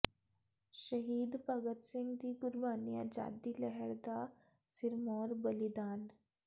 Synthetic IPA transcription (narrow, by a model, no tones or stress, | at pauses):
ʃɐɦiːd̪pɐɡət̪sɪ̃ŋɡd̪iːɡʊɾbaːnijad͡ʒa̰ːd̪iːlɛɦɛɾd̪a | sɪɾmɔːɾbɐlid̪aːn